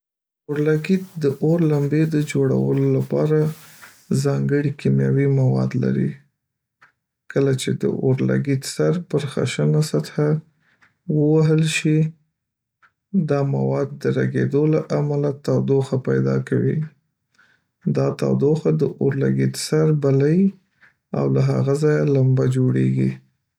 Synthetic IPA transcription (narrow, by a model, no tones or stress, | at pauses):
oɾlaɡit̪̚d̪əʔoɾlambed̪əd͡ʒoɽa̰wə̰lolapɑɾa | zɑŋɡəɽikimjɑwimawɑ̰d̪la̰ɾḭ | kəlat͡ʃed̪ə̰ʔoɾla̰ɡid̪saɾpəɾxa̰ʃənasat̪xa | wəwaɦəlʃi | d̪ɑmawɑd̪ːəɾaɡed̪olaʔamalat̪awd̪oxapajd̪ɑ̰kawi | d̪ɑt̪a̰wd̪oxad̪əʔoɾla̰ɡid̪saɾbalai | a̰wlaɦa̰ɣazɑjalambad͡ʒoɽeɡḭ